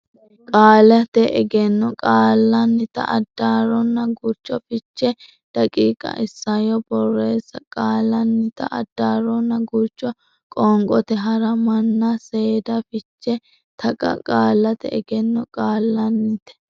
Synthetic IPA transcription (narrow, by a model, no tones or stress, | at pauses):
kʼaːlɐt̪ɛʔɛɡɛnːɔkʼaːlːɐnːɪt̪ɐ̰ʔɐd̪ːaːɾɔnːɐɡuɾt͡ʃːɔfɪt͡ʃːɛ | d̪̥ɐkʼiːkʼɐ̰ʔɪsːɐjɔbɔrːeːsɐkʼaːlːɐnːɪt̪ɐ̰ʔɐ̰d̪ːaːɾɔnːɐɡuɾt͡ʃːɔ | kʼɔːŋkʼɔt̪ɛɦɐɾɐmɐnːɐse̞ːd̪ɐfɪt͡ʃːɛ | t̪ʰɐkʼɐ̰kʼaːlːɐt̪ɛ̰ɛɡɛnːɔkʼaːlːɐnːɪt̪ɛ̥